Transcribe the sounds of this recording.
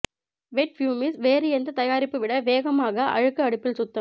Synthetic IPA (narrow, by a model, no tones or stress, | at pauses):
ʋɛʈ̚fjuːmɪsʋeːɾɯɛnd̪ɐt̪ɐjaːɾɪpːɯʋɪɽɐʋeːɣɐmaːɣɐʔɐ̰ɻɯkːɯɐɽɯpːɪlsʊt̪ːɐ